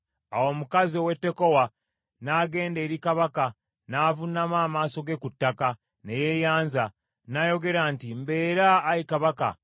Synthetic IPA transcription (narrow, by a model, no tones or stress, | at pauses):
a̰wo̞mukaziowe̞tːe̞ko̞wa | naːɡe̞ːnde̞ːɾikaβaka | naːvunamaːmaːso̞ɡe̞kutːaka | nejejaːnza | najo̞ɡe̞ɾantimbe̞ːɾaːɾikaβaka̰